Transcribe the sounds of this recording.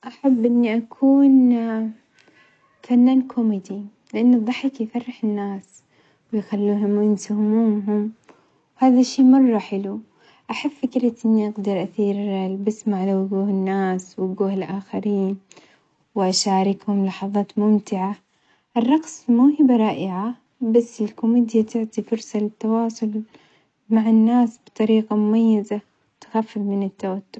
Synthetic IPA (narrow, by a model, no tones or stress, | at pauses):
ʔaħabːʔɪnːiʔakʰuːn | fanːaːnkʰomɪd̪i | lɪʔanːɨðˤɑħɪkjfɑrːɪħɪnːaːs | wɪjxalːuːɦʊmwjɪnsʊhmuːɦʊm | whaːðaʃːiːmɑrˤːɑħɪlu | ʔaħabfɪkɾɪt̪ʔɪnːiʔɑɡd̪ɑɾˤʔaθiːɾbɪsmaʕalawɡuːhɪnːaːswɡuːhɪlʔaːxaɾiːn | wɪʔaʃaːɾɪkhʊmlɑħɑðˤɑːt̪mʊmt̪ɪʕa | ʔɪrˤːɑqsmuːhɪbaɾˤɑːʔɪʕa | basːɪlkʊmiːd̪jat̪ɪʕt̪ˤifʊɾsɑlɪt̪ːɑwɑːsˤʊl | maʕɪnːaːsbt̪ˤɑɾiːqamʊmajːɪza | t̪xafːɪfmɪnɪt̪ːawat̪ːʊb̥